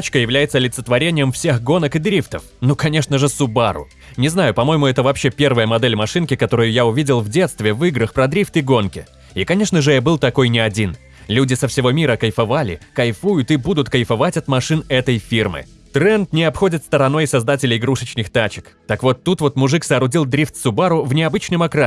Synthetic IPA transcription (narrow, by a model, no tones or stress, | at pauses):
t͡ɕkəjɪvlʲæjɪt̪səlʲɪt̪sə̥t̪vɐɾʲenʲɪjəmfsʲe̞xɡo̞nəkɨd̪ɾʲift̪əf | nukɐnʲe̞ʂnəʐɨsʊbaɾʊ̰ | nʲɪznajʊpɐmo̞jɪmʊɛt̪əvɐːpɕːe̞pʲe̞rvəjəmɐd̪ɛlʲmɐʂɨnkʲɪkɐt̪o̞ɾʊjʊjaʊvʲidʲɪlˠvdʲe̞t̪st̪vʲɪvɨɡɾəxpɾɐd̪ɾʲift̪ɪɡo̞nkʲɪ | ikɐnʲe̞ʂnəʐɨɛbɨlˠt̪ɐko̞jnʲɪɐdʲin | lʲudʲɪsəfsʲɪvo̞mʲiɾəkɐjfɐvalʲɪ̰kɐjfujʊt̪ɨbud̪ʊt̪kəjfɐvatʲɐt̪mɐʂɨnɛt̪əjfʲirmɨ̰ | t̪ɾɛnt̪nʲɪɐpxo̞dʲɪt̪st̪əɾɐn̪o̞jsɐzd̪atʲɪlʲɪɪɡɾuʂət͡ɕnɨxt̪at͡ɕɪ̥kt̪akvo̞t̪ːut̪vo̞t̪mʊʐɨksɐːɾʊdʲilˠd̪ɾʲift̪sʊbaɾʊvnʲɪɐbɨt͡ɕnɨmɐkɾa